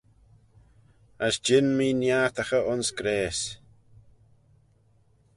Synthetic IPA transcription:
əsd͡ʒɪnmiːnjaɾt̪axəʔʊnskɾeːs

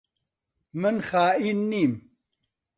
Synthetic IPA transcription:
mənxaːinːim

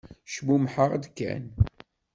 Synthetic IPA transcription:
ʃmumħəʁd̪kːæ̰n

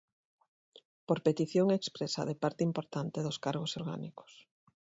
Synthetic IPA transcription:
poɾpet̪iθjoŋekspɾesa̰ðepaɾt̪ɪimpoɾt̪ant̪eðʊskaɾɣosoɾɣa̰niko̥s

